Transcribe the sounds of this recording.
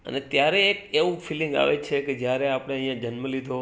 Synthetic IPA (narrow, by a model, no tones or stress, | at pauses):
ə̰net̪jaɾeːkeʋũfʰilɪ̃ŋɡa̰ʋet͡ʃʰeked͡ʒjaɾeapɽ̃eəɦĩjãd͡ʒənməlid̪ʱo